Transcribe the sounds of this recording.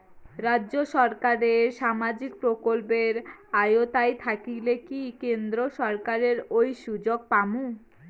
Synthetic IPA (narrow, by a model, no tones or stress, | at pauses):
ɾadːʑoʃɔɾkaɾeɾʃamad͡ʑik̚pɾokolpeɾajot̪ajt̪ʰakilekikend̪ɾoʃɔɾkaɾeɾojʃud͡ʑoɡ̚pamu